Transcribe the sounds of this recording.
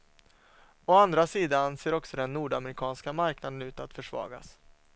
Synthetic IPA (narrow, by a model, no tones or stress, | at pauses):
ɔand̪ɾasiːd̪anseːɾɔksɔd̪ɛnːuːɖamɾɪkʰɑːnskamaɾknad̪ənʉ̟ːt̪at̪fœʂvɑ̰ːɡa̰s